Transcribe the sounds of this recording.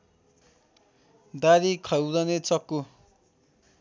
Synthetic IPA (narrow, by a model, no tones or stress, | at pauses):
d̪aɾikʰʌjwd̪ʌnet͡sʌkːu